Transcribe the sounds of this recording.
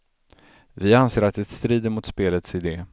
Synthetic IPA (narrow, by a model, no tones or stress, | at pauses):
vɪanseːɾat̪̚d̪ɛt̪st̪ɾiːd̪əɾmʊt̪speːlət̪sɪd̪eː